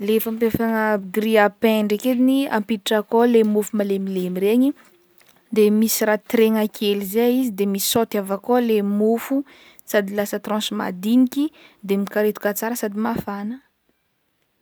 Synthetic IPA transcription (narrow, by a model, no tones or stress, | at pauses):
lefampafaŋəɡriapɛɳɖ͡ʐeked̪inia̰mpiʈ͡ʂakolemufumalemilemiɾeɲi | d̪emisiɾat̪ɾeŋakʰelizeizid̪emisi̥sot̪avakolemofu | sad̪ilasət̪rɔ̃sma̰d̪inikid̪emikaɾet̪u̥kat͡saɾəsad̪imafanə